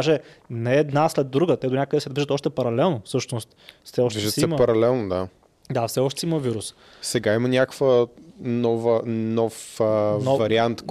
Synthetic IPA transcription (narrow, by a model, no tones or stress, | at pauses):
ʒɛnɛːd̪naslɛd̪ːɾuɡət̪ɛd̪onʲakəd̪ɛsɛd̪viʒət̪ɔʃt̪ɛpɐɾɐlɛlˠnofsɤʃnost̪fsɛɔʃtviʒd̪ssɛiməpɐɾɐlɛlˠnod̪a | d̪afsɛɔʃt̪ɛsɛiməviɾus | sɛɡaimənʲakəkvənɔvənɔfnɔvɐɾiant̪k